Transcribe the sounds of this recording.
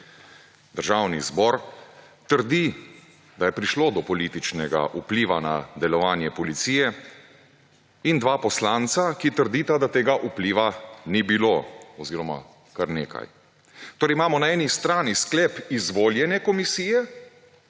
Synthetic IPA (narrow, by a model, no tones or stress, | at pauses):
d̪əɾʒaːwnḭzbɔɾ | t̪əɾd̪i | d̪ajɛpɾiʃloːd̪ɔpɔlit̪it͡ʃnɛɡa̰ʔupliːʋana̰d̪ɛlɔʋaːnjɛpɔlit̪siːjɛ | ind̪ʋaːpɔslaːnt̪sakit̪əɾd̪iːt̪ad̪at̪eːɡaʔupliːʋanibiloɔziːɾɔma̰ | kaɾnḛːka̰j | t̪oːɾɛjimaːmɔnaɛːnist̪ɾaːnisklɛpizʋoːljɛnɛkɔmisiːjɛ